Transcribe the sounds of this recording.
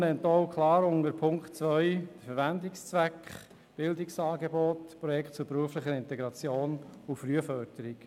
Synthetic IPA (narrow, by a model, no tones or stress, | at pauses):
nɛntɔʊkʰlɑːɾʊŋəɾpʰʊŋktt͡svœʏd̥əfəɾvændɪkst͡svækχ | b̥ɪldɪksɑːɡebɔtpɾɔjɛkχtt͡sʊɾbɾuəflɪχəɪnt̪ɛɡɾɑt͡sjoːnʊfɾyəfœɾdəɾɪk